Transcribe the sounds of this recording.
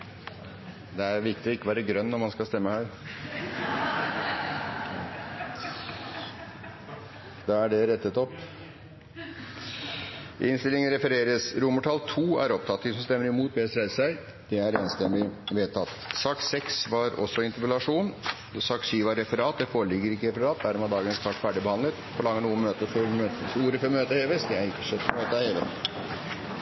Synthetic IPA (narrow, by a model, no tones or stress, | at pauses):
d̪ɛæɾʋɪɾk̚t̪ɪɔɪkːəʋɑːɾəɡɾœnːɔɾmɑnskɑst̪ɛmːəhæːɾ | d̪ɑæɖɛɾɛt̪ːət̪ɔp | ʔɪnst̪ɪlɪŋənɾɛfəɾeːɾəsɾʊməʈʰɑlt̪ʰuːæ̰ɾɔp̚t̪ʰɑt̪ːɪsɔmst̪ɛmːəɾɪmuːt̪̚bɛːsɾæɪsæɪ | d̪̥ɛæɾeːnst̪ɛmːɪʋeːt̪ʰːɑt̪ːsɑːksɛksʋɑɾɔ̰sːɔɪnt̪əpəlɑʂuːn | sɑːksyːʋɑɾɛfəɾɑːt̪̚d̪ɛfoːɾəɭɪɡːəɾɪkːəɾɛfəɾɑːt̪̚d̪æɾmɛːd̪ɑːɡənɛst̪ʰɑʈfæːɖɪbəhɑnd̪ət̪pʰɔlɑŋːənuːənmøːt̪əfɔɾmøːt̪suːɾəfɔɾmøːt̪əheːʋəsd̪ɛæɾɪkːəʂɛt̪ːmøːt̪əɑheːʋə̰